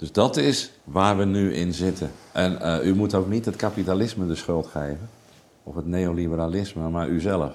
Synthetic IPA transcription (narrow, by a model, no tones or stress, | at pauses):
d̥øsdɔtɪsʋaːɹʋənyʔɪ̰nzɪtʰəʔɛnʔymutowknitɦətkapitalɪsmədəsχølˠtχeːvən | ɔfɦətnejolibəɾalɪsməmaɹʔyzɛlˠəf